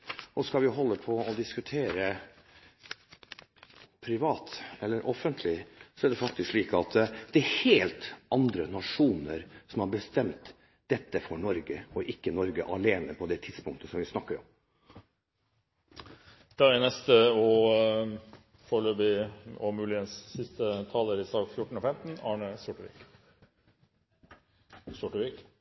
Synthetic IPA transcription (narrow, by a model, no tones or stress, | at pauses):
ɔskɑlʋɪɦɔlːəpʰɔɔd̪ɪskʉt̪ʰeːɾə | pʰɾɪʋɑːt̪ɛlːəɾʔɔfənt̪ʰlɪsɔæɖ̪ɛfɑk̚t̪ɪskʂɭiːkɑt̪d̪ɛːɾheːlt̪ɑnd̪ɾənɑʂuːnəɾsɔmhɑɾbəst̪ɛmt̪ | d̪̥ɛt̪ːəfɔɳɔɾɡəɔʔɪkːənɔɾɡəʔɑleːnəpʰɔd̪ɛt̪ʰɪd̪spʊŋt̪əsɔmʋɪsnɑkːəɾɔ̰m | d̪̥ɑænɛst̪əɔ | foːɾløːbɪɔ̰mʉːlɪənsːɪst̪ət̪ʰɑːləɾɪsɑːɡfjʊʈːɳ̩ɔfɛmt̪n̩ɑːɳəsʊʈəʋḭk | sʊʈʋik